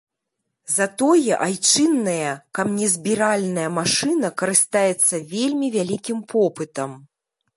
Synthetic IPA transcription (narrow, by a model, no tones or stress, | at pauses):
zat̪ɔjɛʔajt͡ʂɨnːɐjɐkabnʲɛzʲbʲiɾalʲnɐjɐmaʂɨnɐkɐɾɨst̪ajɛt̪sːɐvʲelʲmʲivʲalʲikʲimpʰɔpɨt̪ɐm